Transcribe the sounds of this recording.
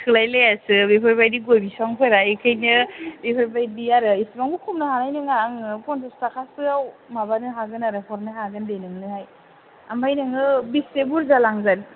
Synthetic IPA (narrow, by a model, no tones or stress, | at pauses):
tʰɯlajlajasɯbepʰaɾbajdiɡojbisaŋpʰɔjɾaekʰajnɯbepʰaɾbajdiaɾɯisbaŋɡukʰumnɯhanajnɯŋaŋɯpɔntʰɔstakʰasɯawmabanɯɦaɡɯnaɾɯpʰɔɾnɯɦaɡɯndenɯŋnɯhaj | ambajnɯŋɯbisebuɾzalaŋzan